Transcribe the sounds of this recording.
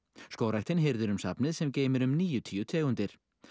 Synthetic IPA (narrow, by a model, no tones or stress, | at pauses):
skoːwɾajt̪ɪnɦɪɾðʏɾʏmsa̰pnɪðsɛmceːjmɪɾʏmniːjʏt̪ʰijʏt̪ʰeːɣʏnt̪ɪɾ̥